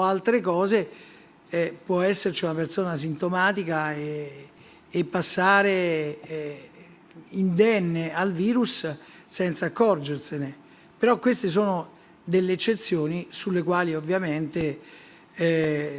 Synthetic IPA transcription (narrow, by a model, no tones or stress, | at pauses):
alt̪ɾekɔːze | pwɔɛsːert͡ʃiunapersoːnas̬int̪omaːt̪ikaeː | pːasːaːɾe | ind̪ɛnːealviːɾussɛnt̪saːkːɔrd͡ʒersene | peɾɔkːwest̪es̬oːno | d̪elːeːt͡ʃːet̪sːjoːnisulːekwaːliovːjament̪e